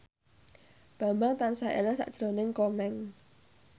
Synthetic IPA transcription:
b̥a̤mbaŋt̪ansaʔḛlansa̰ʔd̥ʒ̥ɾonɪŋkɔmɛŋ

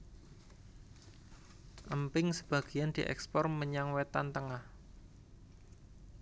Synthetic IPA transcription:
ʔəmpɪŋsəb̥a̤ɡ̥i̤jand̪̥iʔɛ̰kspɔrməɲaŋwet̪ant̪əŋah

